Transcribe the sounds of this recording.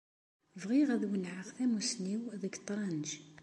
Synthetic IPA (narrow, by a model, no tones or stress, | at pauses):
vʁiʁæðwənʕəʁθæmusniwðəɡt̪ˤːɾˤɑnd͡ʒ